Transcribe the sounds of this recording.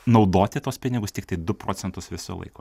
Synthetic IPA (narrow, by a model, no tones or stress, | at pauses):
nɒʊd̪oːt̪ʲɪt̪oɔspʲɪnʲɪɡʊst̪ʲɪkt̪ɐɪd̪ʊpɾo̰ːt͡s̪ʲɛnt̪ʊsʋʲɪso̰lˠɐ̰ɪko̰ː